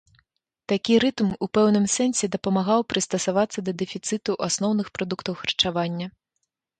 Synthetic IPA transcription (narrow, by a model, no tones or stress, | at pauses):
t̪akʲiɾɨt̪mupɛwnɨmsɛnsʲɛd̪ɐpɐmaɣawpɾɨst̪ɐsavat̪sːɐd̪ɐd̪ɛfʲit̪sɨt̪uʔasnɔwnɨxpɾad̪ukt̪ɐwxɐrt͡ʂavanʲːɐ